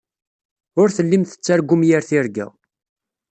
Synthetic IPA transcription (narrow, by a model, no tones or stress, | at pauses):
ʊɾθəlːimθə̥t͡sːæɾɡʷʊmjaɾθɪɾɡæ̰